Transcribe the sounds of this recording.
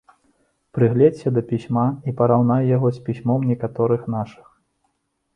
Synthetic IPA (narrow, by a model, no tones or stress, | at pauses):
pɾɨɣlʲɛt͡sʲsʲɐd̪ɐpʲisʲmaipɐɾawnajjaɣɔsʲpʲisʲmɔmnʲɛkat̪ɔɾɨxn̪aʂɨ̥x